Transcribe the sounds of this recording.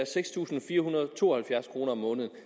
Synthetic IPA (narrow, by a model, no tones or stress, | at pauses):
æseɡ̥st͡sʰṵːsn̩fiːɐɦunɐð̩ˠt͡sʰo̝̰ːɒhælfjæɐskʰʁo̝ːnɐɒmːɔ̽ːnəð̞̩ˠ